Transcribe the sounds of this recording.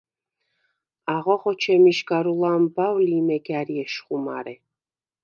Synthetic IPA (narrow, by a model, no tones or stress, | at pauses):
aʁɔχɔt͡ʃʰɛmiʃɡaɾulˠambawlimɛɡaɾiɛʃχuma̰ɾɛ